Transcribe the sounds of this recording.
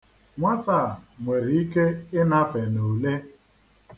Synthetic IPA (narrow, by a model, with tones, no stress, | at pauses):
ŋʷa˦ta˦˨ŋʷe˨ɾi˨i˦ke˦ɪ˦na˦fe˨no˨le˦